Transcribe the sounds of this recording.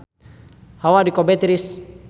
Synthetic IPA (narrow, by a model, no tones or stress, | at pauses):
hawadikobɛt̪ɾis